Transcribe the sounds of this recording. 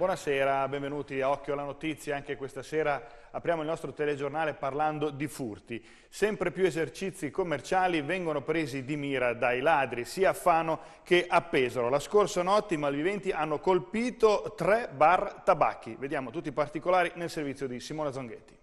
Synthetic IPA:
bwɔnasɛːɾabɛɱvenuːt̪iaɔkːjoalanot̪it̪sːjaaŋk̟ekwest̪asɛːɾa | apɾjaːmoilnɔst̪ɾot̪eled͡ʒornaːleparland̪od̪ifurt̪i | sɛmpɾepjuezert͡ʃit̪sːikomːert͡ʃaːlivɛŋɡonopɾeːzid̪imiːɾad̪ajlaːd̪ɾisiːaːfːanːo | keʔapːeːzaɾolaskorsanɔt̪ːimalvivɛnt̪iʔanːokolpiːt̪ot̪ɾɛbart̪aba̰kːived̪jaːmot̪ut̪ːipart̪ikolaːɾinelservit̪sːjod̪isimoːnad̪zoŋɡet̪ːi̥

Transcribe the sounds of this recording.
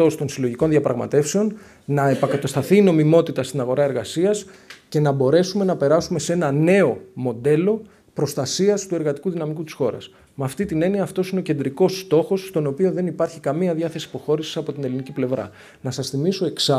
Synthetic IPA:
o̞st̪o̞nsilo̞ʝiko̞nðiɐpɾɐɣmɐ̰t̪e̞fse̞o̞n | nɐepɐkɐt̪ɐst̪ɐθiːno̞mimo̞t̪it̪ɐst̪inɐɣo̞ɾɐe̞ɾɣɐsiɐsce̞nɐbo̞ɾe̞sume̞nɐpe̞ɾɐsume̞senɐne̞o̞mo̞d̪e̞lo̞ | pɾo̞st̪ɐsiɐst̪ue̞ɾɣɐt̪i̥kuðinɐmikut̪i̥sxo̞ɾɐ̰s | mɐft̪it̪ine̞niɐːft̪o̞sineo̞ce̞nd̪ɾiko̞st̪o̞xo̞sːt̪o̞no̞pio̞ðe̞nipɐɾçikɐmiɐðɐθe̞si̥po̞xo̞ɾisi̥sɐpo̞t̪ine̞liniciple̞vɾɐ̰ | nɐsɐsθimiso̞e̞ksɐ

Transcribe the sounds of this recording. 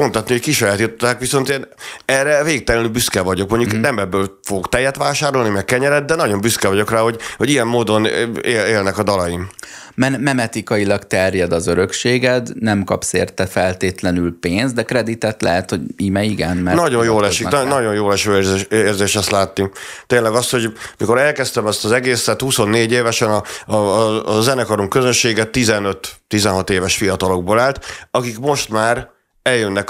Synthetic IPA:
o̞nt̪ɒt̪nihockiʃɒjaːt̪it̪ot̪aːkʋiso̞nt̪eːnɛrːɛveːik̚t̪ɛlɛnylbyskɛvɒɟo̞kmo̞ɲɟuknɛmɛbːøːlfoɡokt̪ɛjːɛt̪ʋaːʃaːɾo̞lnimɛkkːɛɲɛɾɛd̪̚d̪ɛnɒɟo̞mbyskɛvɒɟo̞kraːɦo̞ɟho̞ɟijɛmːoːd̪o̞nḛːleːlnɛkɒd̪ɒlɒjim | mɛnmɛmɛt̪ikɒjilɒkt̪ɛrjɛd̪ɒzøɾø̞kʃeːɡɛt̪nɛmkɒpsḛːrt̪ɛfɛlt̪eːt̪lɛnylpeːnzd̪d̪ɛkrɛd̪it̪ɛt̪lɛ̰ɦɛt̪ho̞ɟimɛiɡɛnmɛnɒɟonjoːlɛʃinɒɟo̞njoːlɛʃøeːrzeːʃɛst̪laːt̪ːit̪eːnlɛɡɒst̪ho̞ɟmiko̞ɾɛlkɛst̪ɛmɛst̪ɒzɛɡeːsɛt̪huso̞nːeːɟeːvɛʃɛnɒ | zɛnɛkɒɾumkøzønʃeːɡɛt̪ːizɛnøt̪ːizɛnɦɒt̪eːvɛʃfijɒt̪ɒlo̞ɡ̚boːlaːlt̪ɒkikmo̞ʃt̪maːɾ | ɛljønːɛk

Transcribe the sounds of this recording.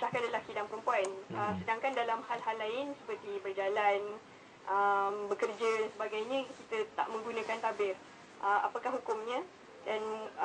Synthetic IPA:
sahkandəlahkidaŋpəɾəmpuanəsədaŋkandalamhalɦalːaɪnsə̥pərt̪ibərd͡ʒalan | ʔəmbəkərd͡ʒədansəbaɡajɲə̃kit̪ət̪a̰ʔmə̃ŋɡunə̃kant̪abɪr | ʔəmʔa̰pakahɦukʊmɲə̃ | dan

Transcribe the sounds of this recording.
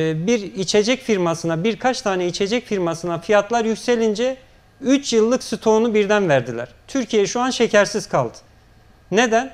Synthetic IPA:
biɾit͡ʃʰe̞d͡ʒɛcfiɾmasɯnabiɾkʰat͡ʃt̪ʰaːnɛit͡ʃʰe̞d͡ʒɛcfiɾmasɯnafijat̪lˠaɾjycse̞lʲind͡ʒɛ | yt͡ʃʰjɯlˠːɯksɯt̪ʰo̞nubiɾd̪ænvæɾd̪ilʲæ̰ɾ̥t̪ʰyɾcʰijeɛʃuanʃe̞cʰæɾsiz̥kʰalˠd̪ɯ̥ | ne̞d̪æn

